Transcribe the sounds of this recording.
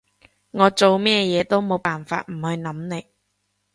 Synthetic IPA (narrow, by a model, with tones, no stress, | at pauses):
ŋɔː˨˧t͡so˨wmɛː˥jɛː˨˧t̪o˥wmo˨˧wpaː˨˩nfa̰ː˧t̚m̩˨˩hɵ˧ɥnɐ˨˥mne˨˧j